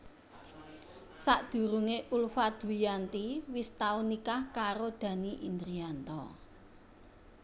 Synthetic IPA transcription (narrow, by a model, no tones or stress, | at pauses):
saʔd̪̥ṳɾuŋeʔulfad̪̥uijant̪iwist̪aunikahkaɾod̪̥ä̤niʔind̪ɾiant̪ɔ